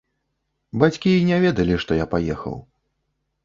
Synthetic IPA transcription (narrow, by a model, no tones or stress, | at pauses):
bat͡sʲkʲiinʲɛvʲɛd̪ɐlʲiʂt̪ɔjapajɛxɐ̰w